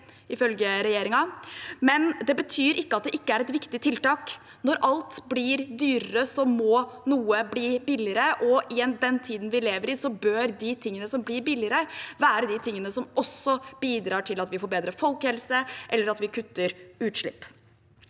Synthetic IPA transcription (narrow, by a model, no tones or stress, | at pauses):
ɪfœlɡəɾɛjeːɾɪŋɑmɛnd̪ɛbət̪ʰyːɾɪkːəɑt̪̚d̪ɛʔɪkːəæɾɛt̪ʋɪkt̪ɪt̪ʰɪlt̪ɑːk | nɔɾʔɑlt̪blɪɾd̪yːɾəəsɔmɔnuːəbliːbɪlɪəɾəʔɔʔɪɛnd̪ɛnt̪ʰiːd̪ən̩ʋɪleːʋəɾɪsɔbøːɾd̪ɪt̪ʰɪŋːənəsɔmblɪɾbɪlɪəɾəʋæːɾəd̪ɪt̪ʰɪŋːənəsɔmʔɔsːɔb̥iːd̪ɾɑːʈʰɪlɑt̪ʋɪfɔɾbeːd̪ɾəfɔlkhɛlsəʔɛlːəɾɑt̪ʋɪkʰʉt̪ːəɾʉːt̪ʂɭɪ̰pː